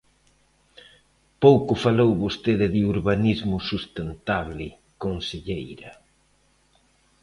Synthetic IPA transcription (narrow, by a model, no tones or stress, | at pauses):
powkʊfalowβost̪eðɪðɪuɾβanizmʊsust̪ent̪aβlɪ | konseʎejɾɐ